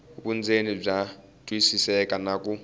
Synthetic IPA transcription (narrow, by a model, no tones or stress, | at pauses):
βund͡zenib͡ʐa | tʼwisisɛkʼanakʼu